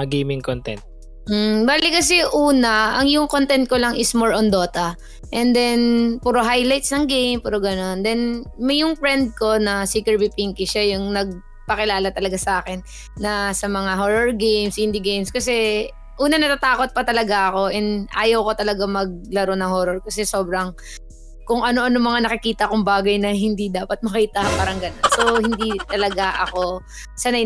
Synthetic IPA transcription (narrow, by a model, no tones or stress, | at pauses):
ɐɡejmɪŋkont̪ɛnt̪̚ | m̩baːlɪkɐsɛʔuːnɐʔɐŋjʊŋkont̪ɛnt̪̚kolɐŋʔɪsmoɹʔond̪o̞ːt̪ɐ | ʔɛnd̪ɛnpuːɾoɦajlajt̪snɐŋɡejmpuɾoɡɐno̞nd̪ɛnmɐjʊŋpɹɛnd̪̚ko̞nɐsiːkɛɹbipiŋkɪʃajʊŋnɐɡ̚ | pɐkɪlaːlɐt̪ɐlɐɡasɐʔaːkɛnː | ɐsɐmɐŋaɦoːɹoɹɡejmshɪnd̪ɪɡejmskɐsɛ | ʔuːnɐnɐt̪at̪aːko̞t̪̚pɐt̪ɐlɐɡaʔɐko̞ʔɛnʔa̰ːjɐwko̞t̪ɐlɐɡamɐɡ̚lɐɾonɐŋhoːɾoɹkɐsɛso̞ːbɾɐŋ | kʊŋɐno̞ʔɐnomɐŋanɐkɪkiːt̪ɐʔkoŋbaːɡɐjnɐɦɪnd̪id̪aːpɐt̪̚mɐkiːt̪ɐpaːɾɐŋɡɐnonso̞hɪnd̪it̪ɐlɐɡaʔɐko̞ | sɐnɐ